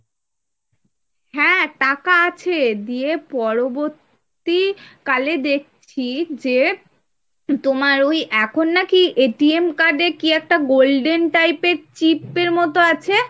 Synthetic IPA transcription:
ɦɛ̃ʈakaat͡ɕʰed̪iepɔɾoboɾt̪ | ikaled̪ek̚ʰt͡ɕʰid͡ʑe | t̪omaɾojʔɛkʰonːakiʔeʈiemkaɾɖekiɛk̚ʈaɡolɖenʈajpeɾt͡ɕipeɾmɔt̪oat͡ɕʰe

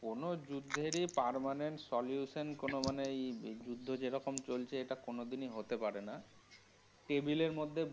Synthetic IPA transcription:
konod͡ʑud̪ʱːeɾipaɾmaneɳʈsɔljuʃenkonomaneejd͡ʑud̪ʱːod͡ʑeɾɔkomt͡ɕolt͡ɕʰeeʈakonod̪iniɦot̪epaɾena | ʈebileɾmod̪ʱːe

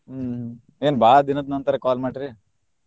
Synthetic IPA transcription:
eːnbʱaːd̪inɐd̪nɐnt̪ɐɾɐkaːlmaːʈɾi

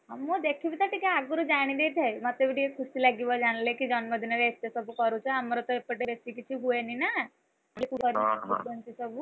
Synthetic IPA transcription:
amːod̪ekʰibit̪aʈikaaɡuɾud͡ʒaɽ̃id̪et̪ʰajmat̪eʋiʈiekʰusilaɡibɔd͡ʒaɽ̃lekid͡ʒɔnməd̪ʱinaɾeet̪jesɔbukɔɾut͡ʃʰɔamɔɾɔt̪ɔepəʈebesik̬it͡ʃʰiɡuenina | alikuɡɔɾiɔbuɔnt̪isɔbu

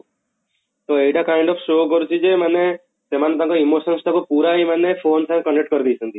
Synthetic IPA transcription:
t̪oejʈakajiɳɖɔpʰsokɔɾut͡ʃʰid͡ʒemane | semanet̪ãŋkɔimosɔnsʈ̪ʰakupuɾaimanepʰonsãŋekɔɳɖekʈ̚kɔɾid̪ʱijt͡ʃʰɔnt̪i

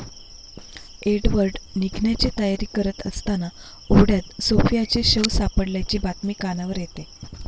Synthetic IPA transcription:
eɖʋəɾɖniɡʱnjat͡ɕiːt̪əjaɾiːkəɾət̪ə̰st̪ana | oɽjat̪sofijat͡ɕeɕəʋsapəɽljat͡ɕiːbat̪mikːanaʋəɾjet̪e

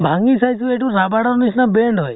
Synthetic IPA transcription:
bʱaŋɡisajsueʈuɾabaɽɔɾnisnabeɳɖɦɔj

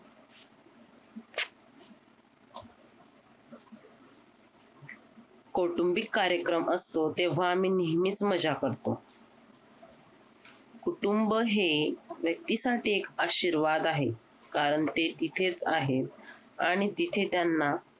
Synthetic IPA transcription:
koʈumbikːaɾjəkɾəmʔəst̪ot̪eʋ̤aːmiːniɦmiːt͡sməd͡ʑakəɾt̪o | kuʈumbɦeʋjək̚t̪isaʈiːekaɕiɾʋad̪aɦe | kaɾəɳt̪et̪it̪ʰet͡saɦet̪ | a̰ɽ̃it̪it̪ʰet̪janːa

